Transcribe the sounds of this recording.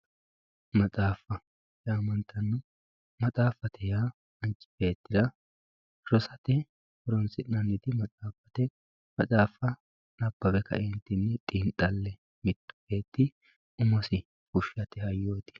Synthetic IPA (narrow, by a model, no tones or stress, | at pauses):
mɐt͡sʼaːfɐ | jaːmɐnt̪ʰːɐnːɔ | mɐt͡sʼaːfɐt̪ʰɛjaː | ɐnt͡ʃʼːɪ̥be̞ːt̪ːɪd̪ɐ | ɾɔsɐt̪ɛ | ɔɾɔnsɪnnɐnːɪd̪ɪmɐt͡sʼaːfɐt̪ɛ | mɐt͡sʼaːfɐ | nɐbːɐbɛkɐ̰ʔɛnt̪ɪnːɛt̪ʼiːnt̪ʼːɐlːɛ | mɪt̪ːʊ̥be̞ːt̪ːɪ | ʊmɐsɪ | kʊʃːɐt̪ɛhɐjːoːt̪ɪ̥